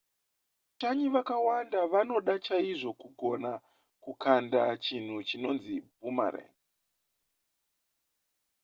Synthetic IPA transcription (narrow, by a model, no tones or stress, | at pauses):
taɲiʋakawandaʋano̞ɗat͡ʃaiʐo̞kuɡʱo̞na | kukʰandat͡ʃin̤ut͡ʃino̞nzib̚ʱuma̰ɾḛ